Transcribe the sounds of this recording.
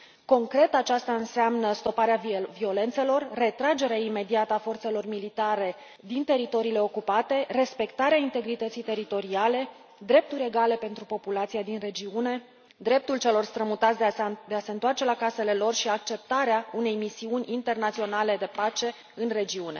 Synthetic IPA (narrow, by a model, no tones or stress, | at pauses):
ko̞ŋkɾe̞t̪at͡ʃast̪aɨnseamnəst̪o̞paɾeavvio̞le̞nt̪se̞lo̞rːe̞t̪ɾad͡ʒe̞ɾeaime̞d̪iat̪əafo̞rt̪se̞lo̞rmilit̪aɾe̞ | d̪int̪e̞ɾit̪o̞ɾiːle̞o̞kupat̪e̞re̞spe̞kt̪aɾeaint̪e̞ɡɾit̪ət̪sijt̪e̞ɾit̪o̞ɾiale̞ | d̪ɾe̞p̚t̪uɾʲe̞ɡale̞pe̞nt̪ɾupo̞pulat̪sijad̪inre̞d͡ʒiune̞ | d̪ɾe̞p̚t̪ult͡ʃe̞lo̞rst̪ɾəmut̪at̪sʲd̪d̪e̞ase̞ɨnt̪oart͡ʃe̞lakase̞le̞lo̞rʃiak̚t͡ʃe̞p̚t̪aɾeaune̞jmisiunʲint̪e̞rnat̪sio̞nale̞d̪e̞pat͡ʃe̞ | ɨnre̞d͡ʒiune̞̰